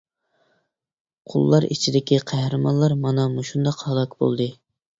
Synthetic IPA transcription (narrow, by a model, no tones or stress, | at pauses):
qʰʊ̰lˠːɑɾḭt͡ʃʰid̪ɪkʲiqʰæhɾɨmɑnlˠɑɾmɑnɑmuʃund̪ɑqhɑlˠɑkbo̰lˠd̪ɨ